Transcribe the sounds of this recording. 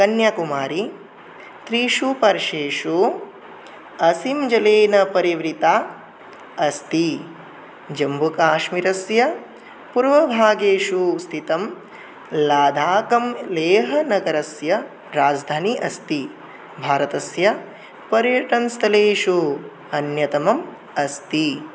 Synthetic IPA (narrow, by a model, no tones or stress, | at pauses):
kɐnjakumaːɾi | t̪ɾiːʃupɐɾʃeːʃu | ɐsimd͡ʒɐleːnɐpɐɾiʋɾit̪aː | ɐst̪i | d͡ʒɐmbʱukaːʃmiɾɐsjɐ | puɾʋɐbʱaːɡeːʃust̪ʰit̪ɐm | laːd̪ʱaːkɐmleːɦɐnɐɡɐɾɐsjɐ | ɾaːd͡ʒd̪ʱaːniʔɐst̪i | bʱaːɾɐt̪ɐsjɐ | pɐɾjɐʈɐnst̪ʰɐleːʃu | ɐnjɐt̪ɐmɐm | ɐst̪i